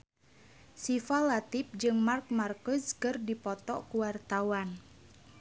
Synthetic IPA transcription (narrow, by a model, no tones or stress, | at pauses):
sifalat̪ip̚d͡ʒɨŋmark̚markuskɨrdipɔt̪ɔkuwart̪awan